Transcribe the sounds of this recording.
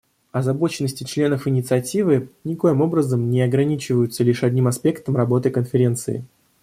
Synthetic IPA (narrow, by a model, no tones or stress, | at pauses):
ɐzɐbo̞t͡ɕɪnːəsʲtʲɪt͡ɕlʲe̞nəfɨnʲɪt̪sɨɐtʲivɨnʲɪko̞jɪmo̞bɾəzəmnʲɪɐɡɾɐnʲit͡ɕɪvəjʊt̪səlʲiʂɐdʲnʲimɐspʲe̞kt̪əmrɐbo̞t̪ɨkənfʲɪɾʲe̞nt̪sɨ̰ɪ̰